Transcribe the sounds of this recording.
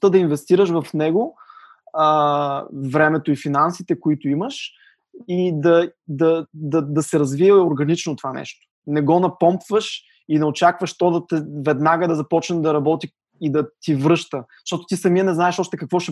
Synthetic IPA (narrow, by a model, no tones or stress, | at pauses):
t̪əd̪ɐinvɛst̪iɾəʃvɐfnɛɡo | ə | vɾɛmɛt̪oifinansit̪ɛkʊit̪oiməʃ | id̪ɐd̪ɐd̪ɐd̪ɐsɛɾɐzviɛoɾɡɐnit͡ʃnot̪ovanɛ̰ʃt̪o̥nɛɡɔnɐpɔmpvəʃ | inɐot͡ʃakvəʃt̪ɔd̪ɐt̪ɛvɛd̪naɡəd̪ɐzɐpɔt͡ʃnɐd̪ɐɾɐbɔt̪i | id̪ɐt̪ivɾɤʃt̪ə | ʃt̪ɔt̪o̥t̪isɐmiənɛznaɛʃɔʃt̪ɛkɐkvɔʃɛ